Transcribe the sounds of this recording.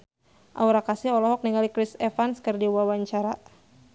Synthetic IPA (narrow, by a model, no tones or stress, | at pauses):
ʔa̰uɾakasɪɦɔlɔɦɔk̚niŋɡalikɾɪsɛfanskɨrdiwawaɲt͡ʃaɾa